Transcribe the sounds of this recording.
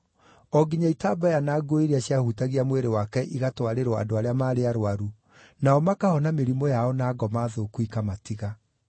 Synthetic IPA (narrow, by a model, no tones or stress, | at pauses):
ɔɡiɲaitaːbajanaːɡoiɾiaɕiahutaɣiamweɾewakɛʔiɣatwaɾeɾɔa̰doaɾeamaːɾeaɾowaɾu | naɔmakahɔnameɾimɔjaɔnaːɡɔmaːðokuikamatiɣa